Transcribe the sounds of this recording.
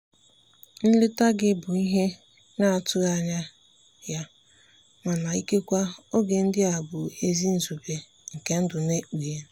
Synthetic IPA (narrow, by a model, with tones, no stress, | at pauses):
n̩˦lɪ˦ta˦ɡɪ˦bʊ˨i˦ɦe˦ | na˦a˨tʊ˦a˦ɲa˦ | ja˦ | ŋa˨na˨i˦ke˦kʷa˦o˦ɡe˨n̩˦dɪ˦a˨bʊ˨e˦zi˦n̩˨zu˨be˨ | ŋ̩˨ke˦n̩˦dʊ˨ne˦u˨je˨